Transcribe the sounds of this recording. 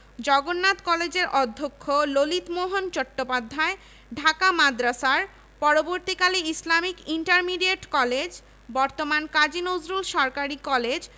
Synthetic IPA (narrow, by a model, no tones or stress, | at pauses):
d͡ʑɔɡonːat̪kɔled͡ʑeɾʔɔd̪ʱːokʰːololit̪moɦont͡ɕɔʈːopad̪ʱːae | ɖʱakamad̪ɾasaɾ | pɔɾoboɾt̪ikaliislamikiɳʈaɾmiɖieʈkɔled͡ʑ | bɔɾt̪omankad͡ʑinozɾulʃɔɾkaɾikɔled͡ʑ